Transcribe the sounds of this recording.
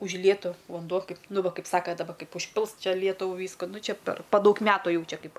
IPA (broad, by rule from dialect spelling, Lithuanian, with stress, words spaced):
ʊʒʲˈlʲiɛtʊ ʋɐnˈduɔ ˈkɐɪp ˈnʊ ˈʋɐ ˈkɐɪp ˈsɑːkɐ dɐˈbɐ ˈkɐɪp ʊʃʲˈpʲɪlˠs ˈt͡ʃʲɛ ˈlʲiɛtʊʋʊ ˈʋʲiːskʊ nʊ ˈt͡ʃʲɛ pʲɛr pɐ ˈdɐʊk ˈmʲæːtʊ ˈjɛʊ ˈt͡ʃʲɛ ˈkɐɪp